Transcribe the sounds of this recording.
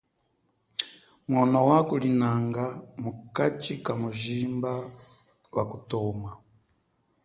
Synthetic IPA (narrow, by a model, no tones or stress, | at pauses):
mwonowakulinaŋɡamukat͡ʃikamuʒiːmba | wakutomwa